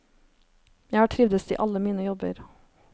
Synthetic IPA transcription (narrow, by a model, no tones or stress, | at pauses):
jæɪhɑːʈʰɾɪʋd̪əst̪ʰḭːʔɑləmiːnəjɔbə̰ɾ